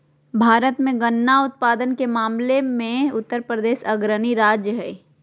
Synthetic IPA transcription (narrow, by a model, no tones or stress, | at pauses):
bʱaːɾət̪mẽɡənːaʊt̪̚paːd̪ənkemaːmlemẽʊt̪ːəɾpɾəd̪eːʃɐɡɾəniɾaːd͡ʒjəɦɛː